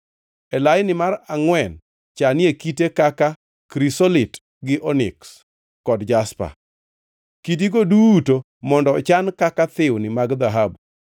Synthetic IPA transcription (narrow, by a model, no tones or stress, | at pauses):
ɛlajɪnɪmaraŋwɛn | t͡ʃanɪekitekaka | kɾisolɪt | ɡɪʔɔnɪ̰ks | kɔdd͡ʒaspa̰ | kit̬iɡoduto | mɔndɔt͡ʃankakat̪ɪwnɪmaɡd̪aɦab